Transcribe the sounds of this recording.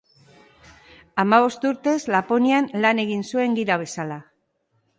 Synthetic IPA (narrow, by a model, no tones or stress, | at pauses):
amaβ̞o̞st̪uɾt̪e̞zlapo̞nianlane̞ɣ̞insue̞ŋɡiɾaβ̞e̞sala